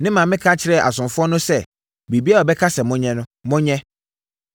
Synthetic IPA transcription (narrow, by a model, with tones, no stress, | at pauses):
nɪ̃˦mã˨mɪ̃˦kʰa˦t͡ɕʰɪ˦ɾɛ˨ʔa̰˨sʊ̃˨mfʊ˦ɔ˦nʊ̃˦sɛ˦ | bi˨bi˦a˦ɔ˨bɛ˦kʰa˦sɛ˨mʊ̃˦ɲɛ̃˦nʊ̃˦mʊ̃˦ɲɛ̃˦